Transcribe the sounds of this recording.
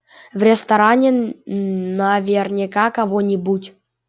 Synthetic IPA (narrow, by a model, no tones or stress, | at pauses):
vrʲɪst̪ɐɾanʲɪ | navʲernʲɪkakɐvonʲɪbutʲ